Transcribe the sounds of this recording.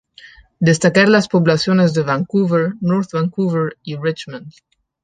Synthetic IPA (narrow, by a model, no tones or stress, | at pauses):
d̪est̪akaɾlaspoβlasjonezðeβaŋkuveɾnoɾt̪βaŋkuveɾirit͡ʃmãnd̪